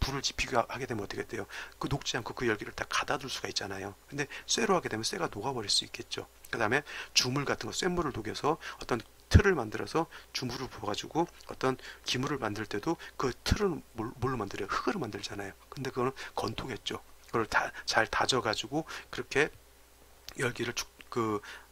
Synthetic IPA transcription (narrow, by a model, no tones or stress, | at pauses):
puɾɯɭt͡ɕi̥pʰiɡhaɡe̞demʌʌt͈ːʌ̥kʰet͈̚ejokɯnok̚t͡ɕ͈iɦankʰokɯjʌɭɡiɾɯɭtakḁdaduɭs͈uɡait̚t͡ɕ͈anajokɯnde̞s͈e̞ɾoɦaɡede̞mjʌns͈e̞ɡanoɡabʌɾiɭs͈uik͈e̞t̚t͡ɕ͈o̰kɯdaɦme̞t͡ɕumuɭɡatʰɯnŋɡʌs͈wemːuɾɯɭtoɡjʌsʰʌʌt͈ʌn | tʰɯɾɯɭmandɯɾʌsʰʌt͡ɕumuɾɯɭpoʌɡad͡ʑuɡoʌ̰t͈ʌnkimuɾɯɭmandɯɭt͈e̞dokɯtʰɯɾɯmoɭːomandɯɾjʌhɯɡɯɾɯɭmandɯɭd͡ʑanajokɯnde̞kɯɡʌnɯnkʌntʰoŋɦe̞t̚t͡ɕ͈okɯɡʌɯɭat͡ɕaɭtad͡ʑʌɡad͡ʑiɡokɯɾʌkʰe̞ | jʌɭɡiɾɯɭt͡ɕu̥kɯ